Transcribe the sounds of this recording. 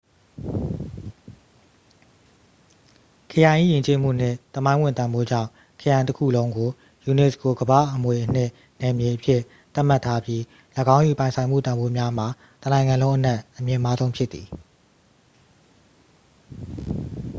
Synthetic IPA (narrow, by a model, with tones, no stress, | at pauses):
kʰə˨jã˨ɪ̃ʔḭ˦˨jɪ̃˨ɲt͡ɕe˦m̥ṵ˦˨n̥ɪ̰̃˦˨t̪əmã˦ɪ̃wɪ̃˦˨nt̪ã˨mbo˦d͡ʑã̰˦˨ | kʰə˨jã˨ɪ̃təkʰṵ˦˨lõ˦ʊ̃ŋɡo˨ | ju˨nɛ˨sko˨ɡəba̰˦˨ʔəmwe˨ʔən̥ɪ̰̃˦˨ | nɛ˨mje˨ʔəpʰjɪ˦˨ | t̪a˦ʔm̥a˦˨tʰːa˦bji˦ | ləɡã˦ʊ̃ju˨pã˨ɪ̃sʰã˨ɪ̃m̥ṵ˦˨t̪ã˨mbo˦mja˦m̥a˨ | t̪ənã˨ɪ̃ŋã˨lõ˦ʊ̃ʔə˦nɛ˦˨ʔʔəmjɪ̃˨ma˦zõ˦ʊ̃mpʰjɪ˦t̪ːi˨